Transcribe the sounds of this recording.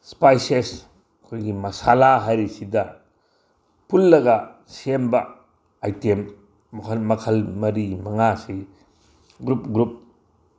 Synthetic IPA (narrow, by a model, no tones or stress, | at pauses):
spajses | ɐkʰojɡimɐsalaɦajɾisidɐ | pʰulːɐɡɐ | sembɐ | ajtem | kʰɐmɐkʰɐlmɐɾimɐŋasi | ɡɾup̚ɡɾup̚